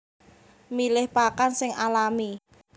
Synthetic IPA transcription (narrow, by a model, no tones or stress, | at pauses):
milɪhpakansɪŋalami